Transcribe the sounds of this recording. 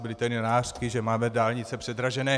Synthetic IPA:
bɪlɪt̪ɛnjonaːr̥kɪʒɛmaːmɛdaːlɲɪt͡sɛpr̥ɛd̪ɾaʒɛnɛː

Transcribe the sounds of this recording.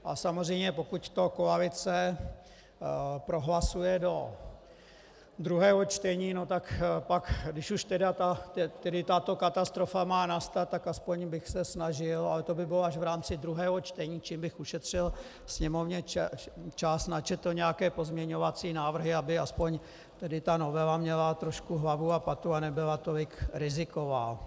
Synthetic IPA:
ʔasamozrɛjmɲɛpo̞kuct̪o̞koalɪt͡sɛ | pɾo̞ɦlasujɛdo̞ | d̪ɾuɦɛːɦo̞t͡ʃt̪ɛɲiːno̞t̪akpakdɪʃuʃt̪ɛdat̪at̪ɛt̪ɛdɪt̪at̪o̞kat̪ast̪ɾo̞famaːnast̪at̪ːakaspo̞ɲbɪxsɛsnaʒɪlalɛt̪o̞bɪbɪloaʒvɾaːmt͡sɪd̪ɾuɦɛːɦot͡ʃt̪ɛɲiːt͡ʃiːmbɪxuʃɛt̪r̝̥ɪl | sɲɛmo̞vɲɛ | t͡ʃasnat͡ʃɛt̪l̩ɲɛjakɛːpo̞zmɲɛɲo̞vat͡siːnaːvr̩ɦɪabɪaspoɲ | t̪ɛdɪt̪ano̞vɛlamɲɛlat̪ɾo̞ʃkuɦlavuapat̪uanɛbɪlat̪olɪkɾɪzɪkovaː

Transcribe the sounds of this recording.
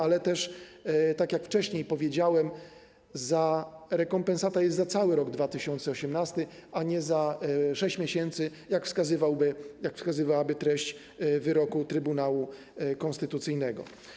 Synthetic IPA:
alɛt̪ɛʂt̪akjakft͡ʂɛɕɲejpɔvʲjed͡ʑawɛm | zaɾɛkɔmpɛnsat̪ajɛst̪zat̪sawɘɾɔɡd̪vat̪ɘɕɔnt̪sɛɔɕɛmnast̪ɘaɲɛzaʂɛɕt͡ɕmʲjeɕɛnt̪sɘjakfskazɘvawbɘjakfskazɘvawabɘt̪ɾɛɕt͡ɕ | vɘɾɔkut̪ɾɘbunawu | kɔ̃nst̪ɘt̪ut̪sɘjnɛɡɔ̰

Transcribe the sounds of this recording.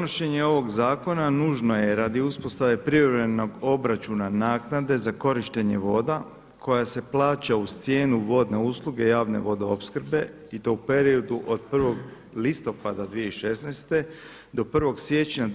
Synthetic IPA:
noʃe̞ɲe̞o̞ʋo̞ɡzaːko̞nanuːʒno̞je̞ɾad̪iuspo̞st̪aʋe̞pɾiʋɾeno̞ɡo̞bɾat͡ɕunanaːknad̪e̞zako̞ɾiʃt̪eɲe̞ʋo̞ːd̪a | kʰo̞jase̞plˠaːt͡ɕaust̪sje̞ːnuʋo̞d̪ne̞uːslˠuɡe̞jaːʋne̞̰ʋo̞d̪ao̞pskr̩be̞ | it̪o̞upe̞ɾiod̪uʔod̪̚prʋo̞ɡ | list̪o̞pad̪ad̪ʋije̞iʃe̞snejst̪e̞ | d̪o̞pr̩ʋo̞ɡsʋje̞t͡ɕɲa

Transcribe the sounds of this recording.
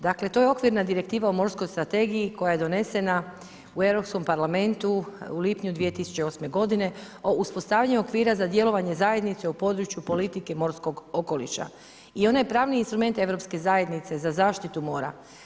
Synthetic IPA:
d̪akle̞t̪o̞jeo̞kʋiɾnad̪iɾe̞kt̪iːʋaomo̞ɾsko̞jst̪ɾat̪e̞ɡijiko̞jaje̞d̪o̞ne̞se̞na | ue̞ʋɾo̞psko̞mpaɾlame̞nt̪uulipɲud̪ʋijet̪isu̥t͡ɕe̞o̞sme̞ɡo̞d̪ine̞ | o̞ʔuspo̞st̪aːʋjaɲuo̞kʋiːɾazad̪je̞lo̞ʋaɲe̞zaːje̞d̪nit̪seupo̞d̪ɾut͡ʃjupo̞lit̪ike̞mo̞ɾsko̞ɡo̞ko̞lḭʃa̰ | io̞najepɾaːʋniinst̪ɾume̞nt̪e̞ʋɾo̞pske̞zaːje̞d̪nit̪se̞zazaːʃt̪it̪umo̞ːɾa̰

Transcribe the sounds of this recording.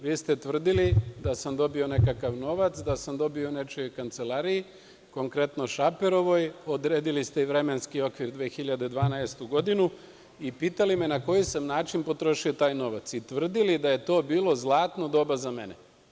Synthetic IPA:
ʋiːst̪e̞t̪ʋr̩d̪ilid̪asamd̪o̞bio̞ne̞kakaʋno̞ʋat̪sd̪asamd̪o̞bio̞ne̞t͡ʃojkant̪se̞lˠaːɾiji | ko̞ŋkɾe̞t̪no̞ʃape̞ɾo̞ʋo̞jo̞d̪ɾe̞ːd̪ilist̪eiʋɾe̞me̞nskio̞kʋiɾd̪ʋeːxiʎad̪e̞d̪ʋaːnaest̪uɡo̞d̪inu | ipiːt̪alime̞nako̞jisamnaːt͡ʃinpo̞t̪ɾo̞ʃio̞t̪aːjno̞ʋat̪sit̪ʋr̩d̪ilid̪aje̞t̪o̞ːbiːlˠo̞zlˠaːt̪no̞d̪o̞ːbazame̞ne

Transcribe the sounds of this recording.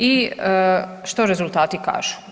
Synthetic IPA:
i | ʃt̪oɾe̞zulˠt̪aːt̪ika̰ːʒ̥u̥

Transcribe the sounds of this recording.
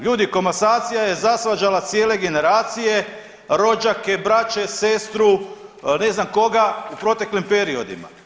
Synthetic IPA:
ʎuːd̪iko̞masaːt̪sijaje̞zasʋad͡ʒalat̪sjeːle̞ɡe̞ne̞ɾaːt̪sije̞ | ɾo̞d͡ʒake̞bɾat͡ʃe̞se̞st̪ɾune̞znamko̞ɡaupɾo̞t̪e̞klimpe̞ɾio̞d̪ḭma̰

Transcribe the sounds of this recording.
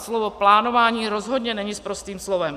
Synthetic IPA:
slovoplaːnovaːɲiːɾozɦo̞dɲɛnɛɲɪspɾost̪iːmslovɛm

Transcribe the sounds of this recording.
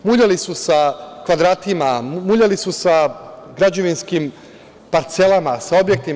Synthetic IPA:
muʎalisusakʋad̪ɾaːt̪imamuʎalisusaɡɾad͡ʑo̞ʋinskim | paɾt̪se̞lamasao̞bjek̚t̪i

